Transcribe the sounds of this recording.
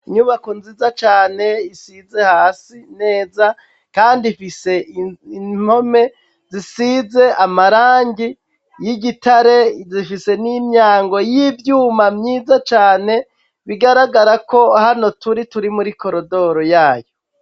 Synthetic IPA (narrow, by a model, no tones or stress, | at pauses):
iɲuβakunzizat͡ʃaːne̞isize̞haːsine̞ːza | kaːndiifise̞in̥o̞me̞ | zisize̞ʔamaɾaːɲɟi | jiɟitaɾezifise̞nimɲaːŋɡo̞jivjuːmamɲiːzat͡ʃaːne̞ | βiɡaɾaɡaɾako̞hano̞tuɾituɾimuɾiko̞ɾo̞do̞ɾo̞jaːjo